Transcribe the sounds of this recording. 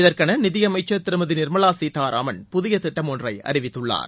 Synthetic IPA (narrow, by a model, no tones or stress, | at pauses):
ɪðɐrkɐnɐnɪðɪjɐmɐɪt͡ʃːɐt̪ɪɾɯmɐðɪnɪɾmɐɭaːsiːt̪aːɾʔa̰ːmɐnpʊðɪjɐt̪ɪʈːɐmɔndrɐɪɐ̰ɾɪʋɪt̪ːɯɭːa̰ːɾ